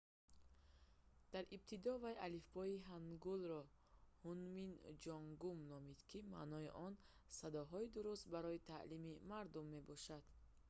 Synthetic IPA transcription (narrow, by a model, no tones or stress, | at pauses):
d̪̥aɾib̚t̪ʰid̪ɔvajalifbɔiɦaŋɡulɾɔhunmind͡ʒɔŋɡumnɔmid̪̥kʰima̰nɔiʔɔn | sad̪ɔɦɔid̪uɾust̪̚baɾɔit̪ʰa̰ʔlimimaɾd̪umːe̞bɔʃad̪̥